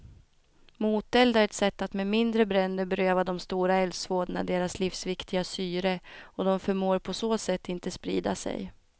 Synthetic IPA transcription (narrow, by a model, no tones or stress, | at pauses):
muːt̪ɛld̪aɾɛt̪sɛt̪ːat̪memɪnd̪ɾəbɾɛnd̪əɾbɛɾøːvad̪ɔmst̪uːɾaɛlsvoːd̪na̰d̪eːɾaslɪfsvɪkt̪ɪɡasyːɾəɔd̪ɔmfœmoːɾpʰɔsoːsɛt̪ːɪnt̪əspɾḭːd̪a̰sɛ̰j